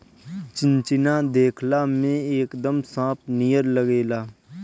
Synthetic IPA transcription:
t͡ʃɪ̃nt͡ʃɪnad̪eːkʰlamẽeːkd̪əmsãːp̚ʰnijəɾləɡeːlaː

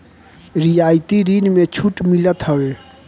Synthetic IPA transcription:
ɾijajt̪iɾinmet͡ʃʰuʈmilət̪ɦəwe

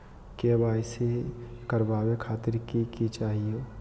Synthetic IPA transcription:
kebaːɪsekəɾbaːwekʰaːt̪ɪɾkikit͡ʃaːɦieː

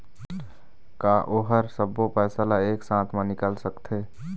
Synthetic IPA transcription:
kaːʔoːɦəɾsəbːopɛːsalaeːksãːt̪ʰmãnɪkəlsəkt̪ʰeː

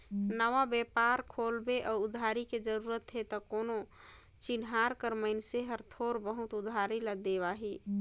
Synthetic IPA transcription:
nəʋabjepaɾkʰolbeʔɔud̪ʱaɾiked͡ʒəɾuɾət̪ɦet̪ɔkono | t͡ʃinɦaɾkəɾməɪnseɦəɾt̪ʰoɾbəɦut̪ud̪ʱaɾiləd̪eβaɦi

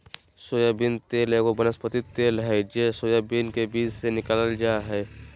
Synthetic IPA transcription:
soːjabint̪eːlekobənəspət̪ɪt̪ːeːlɦɛd͡ʒesoːjabinkebiːd͡ʒsenɪkaləld͡ʒaːɦɛː

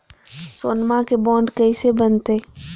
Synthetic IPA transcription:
soːnmãkebɔ̃ːɳɖkəisebənt̪e

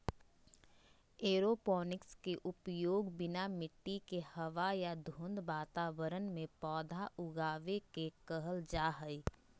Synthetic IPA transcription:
eːɾopɔːnɪkskeʔʊpjoːɡbɪnamɪʈːikehɐʋajad̪ʱũːnd̪ʋaːt̪aːʋəɾənmẽpɔːd̪ʱaʔʊɡaːʋekekəɦəld͡ʒaːɦəi

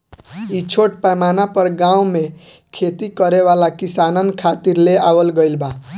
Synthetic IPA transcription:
it͡ʃʰoʈpamanapəɾɡãũme | kʰet̪ikʌɾewalakisanənkʰat̪iɾleawəlɡəjlba

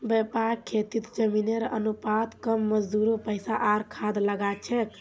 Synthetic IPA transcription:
bɛpaɾkʰet̪it̪d͡ʒəmineɾʔənupat̪kəmːəd͡ʒd̪uɾopəɪsaʔaɾkʰad̪ləɡat͡ʃʰɛk

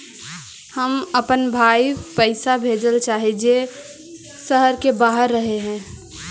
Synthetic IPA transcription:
həməpənbʱaːipəɪsabʱeːd͡ʒəlt͡ʃaːɦid͡ʒe | səɦəɾkebaːɦəɾːəɦeɦɛ̃ː

